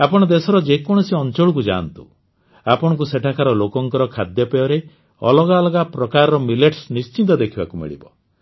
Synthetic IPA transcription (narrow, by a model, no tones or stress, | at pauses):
apɔɽ̃ɔd̪esɔɾɔd͡ʒekɔɽ̃ɔsiɔnt͡ʃoɭukud͡ʒa̰nt̪ṵ | apɔɽ̃ɔkuseʈʰakʰaɾɔlokɔŋkɔɾɔkʰad̪jɔpejɔɾe | ɔ̰lɔɡalɔɡapɾɔkaɾɔɾɔmileʈsnist͡ʃint̪ɔd̪ekʰibakumḭɭḭbɔ̰